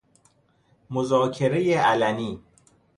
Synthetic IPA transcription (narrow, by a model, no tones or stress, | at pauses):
mozɒːcʰeɾejeʔælæniː